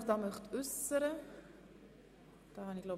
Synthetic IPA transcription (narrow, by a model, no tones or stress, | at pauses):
χd̥ɑːmœχtʉsəɾə | d̥ɑːhɑnɪɡlo